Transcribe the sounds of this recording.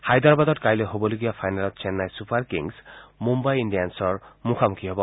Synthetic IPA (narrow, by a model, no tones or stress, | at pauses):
hajd̪aɾbad̪ɔtkajleɦobɔloɡiapʰajnalɔt̪t͡ʃenːajsupʰaɾkḭŋsmumbajinɖijansɔɹmukʰamukʰiɦɔbɔ